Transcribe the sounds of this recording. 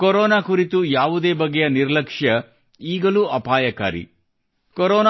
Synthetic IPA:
koɾɔːnaːkuɾit̪ujaːʋud̪e̞ːbɐɡejɐniɾlɐkʂjɐ | iːɡɐluɐpaːjɐka̰ːɾḭ | koɾɔːn

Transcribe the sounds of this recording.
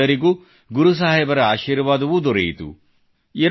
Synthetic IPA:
ɐɾiɡuː | ɡuɾus̬aːɦɛjbɐɾɐaːʃiːɾʋaːd̪ɐʋud̪ɔɾɛ̰jit̪ṵ | iɾ

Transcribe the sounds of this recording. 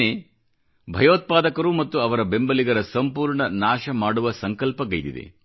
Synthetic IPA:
e | bʱɐjoːt̪̚paːd̪ɐkɐɾumɐt̪ːuɐʋɐɾɐbe̞mbɐliɡɐɾɐsɐmpuːɾɳɐnaːʃɐmaːɽuʋɐsɐŋkɐlpɐɡɐjd̪ḭd̪ḛ

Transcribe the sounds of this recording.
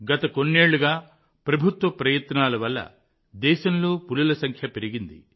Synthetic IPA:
ɡɐt̪ɐko̞nːeːɭːuɡaː | pɾɐbʱut̪ʋɐpɾɐjɐt̪naːlɐʋɐlːɐ̰ | d̪ɛːʃɐmlo̞ːpulɐlɐsɐŋkʰjɐpe̞ɾiɡind̪i

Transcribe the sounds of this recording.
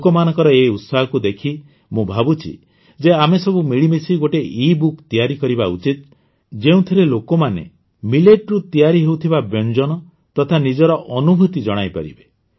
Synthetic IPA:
kɔmanɔ̃ŋkɔɾɔeut̪saɦɔkud̪ekʰi | mũbʱabut͡ʃʰḭ | d͡ʒeamesɔbumiɭimisiɡoʈeʔibukt̪ijaɾikɔɾibaṵt͡ʃit̪̚ | d͡ʒeũt̪ʰiɾelokɔmanḛ | mileʈɾut̪ijaɾiɦewt̪ʰibabjɔnd͡ʒɔnɔ | t̪ɔt̪ʰanid͡ʒɔɾɔʔɔnubʱut̪id͡ʒɔɽ̃ajpa̰ɾḭbe

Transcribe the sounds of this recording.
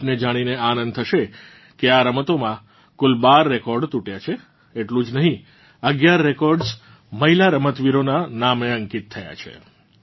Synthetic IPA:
ned͡ʒaɽ̃ineanə̃nd̪t̪ʰəʃe | keaɾəmət̪omã | kʊlbaɾːekɔɾɖt̪uʈjat͡ʃʰe | eʈlũd͡ʒnəɦĩ | əɡjaɾːekɔɾɖs | məɦilaɾəmət̪ʋiɾonanameəŋkit̪̚ʰːəja̰t͡ʃʰḛ

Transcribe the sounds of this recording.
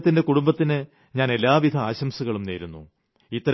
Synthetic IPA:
t̪ːinde̞kuɽumbɐt̪ːinɨ | ɲaːne̞lːaːʋid̪ʱɐaːɕɐmsuɣɐɭumneːɾunːṵ | it̪ːɐɾ

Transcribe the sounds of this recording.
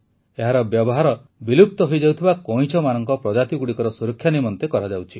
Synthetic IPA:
eɦaɾɔbjɔbɔɦaɾɔ | bilup̚t̪ɔɦojd͡ʒawt̪ʰibakɔj̃t͡ʃʰɔmanɔŋkɔpɾɔd͡ʒat̪iɡuɽikɔɾɔsuɾɔkʰːjanimɔnt̪ekɔɾad͡ʒawt͡ʃʰi

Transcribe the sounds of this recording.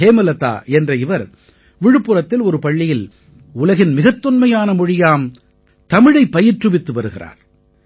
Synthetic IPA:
eːmɐlɐt̪ːa̰ːɛndrɐɪʋɐɾ | ʋɪɻɯpːɯrɐt̪ːɪlɔɾɯpɐɭːɪjɪl | ʊlɐɣɪnmɪɣɐt̪ːɯnmɐjaːnɐmʊɻɪjaːm | t̪ɐmɪɻɐɪpːɐjɪrʈrɯʋɪt̪ːɯʋɐɾɯɣɪra̰ːɾ

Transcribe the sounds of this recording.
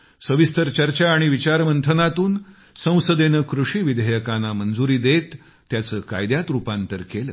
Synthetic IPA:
səʋist̪əɾt͡ɕəɾt͡ɕaːɽ̃iʋit͡ɕaɾmənt̪ʰənat̪uːn | sə̃w̃səd̪enəkɾuʂiːʋid̪ʱəjəkanamənd͡zuɾiːd̪et̪ː | jat͡səːka̰jd̪jat̪ɾupãnt̪əɾkelə̰ː

